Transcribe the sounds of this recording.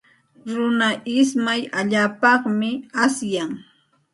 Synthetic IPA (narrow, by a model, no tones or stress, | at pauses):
ɾʊnaʔɪsmajaʎaːpɑχmɪasjaŋ